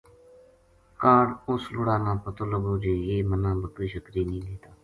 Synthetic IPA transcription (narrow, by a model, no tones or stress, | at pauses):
kaːɽʊslʊɽaːnãːpət̪ʊləboːd͡ʒeːjeːmənãːbəkiːʃəkɾiːnĩːleːt̪aː